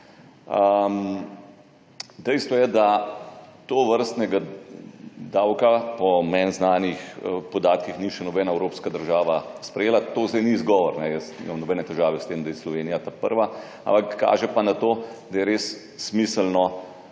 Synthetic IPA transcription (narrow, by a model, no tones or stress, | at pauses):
əm | d̪ɛjst̪ʋɔjɛd̪a | t̪oːʋəɾst̪nɛɡa | d̪aːwkapɔmɛnznaːnixpɔd̪aːt̪kixniʃɛnɔbɛːnaɛwɾoːpskad̪əɾʒaːʋaspɾɛjeːlat̪oːzd̪ɛjnizɡɔːʋɔɾnɛjəsnḭmamnɔbɛːnɛt̪ɛʒaːʋɛst̪eːmd̪ajɛslɔʋeːnijat̪apəɾʋa | a̰mpakːa̰ːʒɛpanat̪oːd̪ajɛɾeːsː | misəlnɔ